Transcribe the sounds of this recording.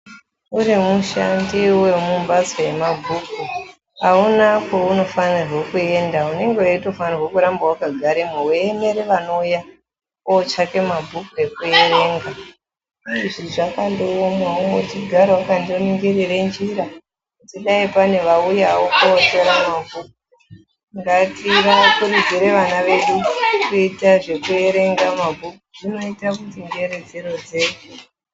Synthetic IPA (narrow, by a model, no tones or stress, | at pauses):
uɾimuʃandiwemumbad͡zoje̞mabʱuku | aunako̞uno̞fanirwe̞kue̞ndaune̞ŋɡewaito̞fanirwo̞kuɾambawakaɡʱaɾemuweene̞ɾeʋano̞ja | ot͡ʃake̞mabʱukue̞kuereŋɡa | iʐiʐakandoomaootiɡʱaɾawakandoniŋɡeɾerend͡ʒiɾa | tiɗaipane̞ʋaujawokoote̞ɾamabʱuk̚u | ŋɡatiɾaakuɾid͡ziɾe̞ʋanaʋe̞ɗureitaʐe̞kue̞ɾe̞ŋɡamabʱukuʐino̞itakutiŋɡeɾe̞d͡ze̞ɾo̞d͡ze̞ɗu